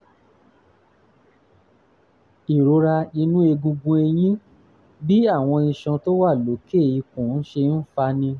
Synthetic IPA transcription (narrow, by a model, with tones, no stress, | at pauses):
i˨ɾo˨˦ɾa˧i˧nũ˦e˧ɡũ˧ɡũ˧e˧j̃ĩ˦ | bi˦a˦˨w̃ɔ̃˧ĩ˧˨ʃã˧to˦wa˦˨lo˨˦ke˦˨i˧kũ˨n̩˦ʃe˧n̩˦fa˧˦nĩ˧